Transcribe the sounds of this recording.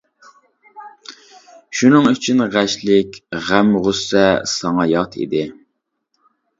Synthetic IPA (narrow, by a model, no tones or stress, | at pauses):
ʃunɨŋyt͡ʃʰynʁæʃlɪkʲʁæmʁusːɛsɑŋɑjɑt̪ʰḭd̪ɪ